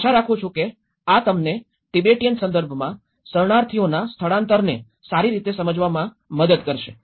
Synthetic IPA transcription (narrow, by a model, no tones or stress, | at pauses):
ʃaɾakʰũt͡ʃʰũke | at̪əmne | ʈibeʈijənsənd̪əɾbʱmã | səɾɳaɾt̪ʰionast̪ʰəɭãnt̪əɾne | saɾiɾit̪esəməd͡ʒʋamã | məd̪əd̪kəɾʃḛ